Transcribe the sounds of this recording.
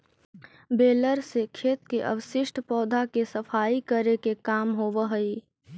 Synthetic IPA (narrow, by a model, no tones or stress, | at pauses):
beːləɾsekʰeːt̪keʔə̰wʃɪʃʈʰpɔːd̪ʱakesəfʰaːikəɾekekaːmɦoːʋəɦəi